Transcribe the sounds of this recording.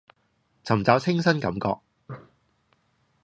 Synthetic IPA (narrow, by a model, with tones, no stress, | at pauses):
t͡sʰɐ˨˩mt͡sɐ˨˥wt͡sʰɪ˥ŋsɐ˥nkɐ˨˧˥mkɔ̰ː˧k̚